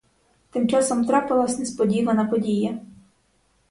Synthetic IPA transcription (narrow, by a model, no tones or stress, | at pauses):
t̪ɪmt͡ʂasɔmt̪ɾapalˠasʲnʲɛspɔdʲivɐnɐpɔdʲijɛ